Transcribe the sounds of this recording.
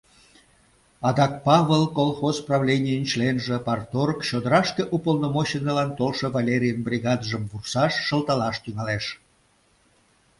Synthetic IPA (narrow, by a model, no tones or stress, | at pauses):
ɑd̪ɑk̚pɑβəlkolˠxozprɑvlʲenʲijənʲt͡ɕlenʒĕpɑrt̪orkt͡ɕod̪əɾɑʃkeʔupəlˠnomoɕinəlɑnt̪olʃɤvɑlʲeɾʲijənbrʲiɣɑd̪ʒəmbursɑʃːə̆lt̪ɑlɑʃt̪yŋɑleʃ